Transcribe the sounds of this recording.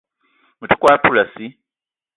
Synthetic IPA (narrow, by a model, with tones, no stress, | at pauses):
mu˨tʰu̥˦kʼwa˦pʰu˦la˨si˦